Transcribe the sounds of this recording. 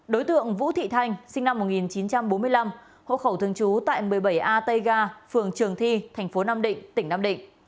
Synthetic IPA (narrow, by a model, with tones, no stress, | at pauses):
ɗo˨˦jt̪ɨ̰˧˨əŋvṵ˧˥t̪ʰḭ˧˨t̪ʰa˧jŋ̟sï˧ŋna˧mːo˨˩t̚ŋi˨˩nt͡ɕi˨˦nt͡ɕa˧mɓo˨˦nmɨ˧əjla˧m | ho̰˧˨xə˧˩wt̪ʰɨ˧əŋt͡ɕu˨˦t̪a̰ː˧˨jmɨ˨˩əjɓə˧˩jʔaː˧t̪ə˧jɣaː˧fɨ˨˩əŋt͡ɕɨ˨˩əŋt̪ʰi˧t̪ʰɛ˨˩ŋ̟fo˨˦naː˧mɗḭ˧˨ŋ̟t̪ï˧˩ŋnaː˧mɗḭ̈˧˨ŋ̟